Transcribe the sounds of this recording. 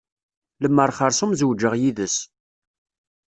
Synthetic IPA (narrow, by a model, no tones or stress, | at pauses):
ləmːəɾˤχəɾˤsumzəwd͡ʒəʁjiðəs